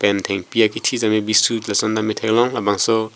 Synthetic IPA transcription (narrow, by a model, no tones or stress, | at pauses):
pɛntʰeŋpijakitʰizamebisutlasɔndamitʰaklɔŋlabaŋsɔ